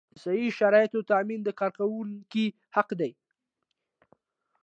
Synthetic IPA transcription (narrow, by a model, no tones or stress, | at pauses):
sajiʃaɾɑjɪt̪ot̪amind̪əkɑɾkawuki | haqd̪aj